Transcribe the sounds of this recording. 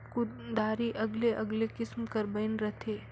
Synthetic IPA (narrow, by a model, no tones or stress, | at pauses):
kʊd̪aːɾiʔɐɡleʔɐɡlekɪsmkɐɾbəɪnɾɐt̪ʰeː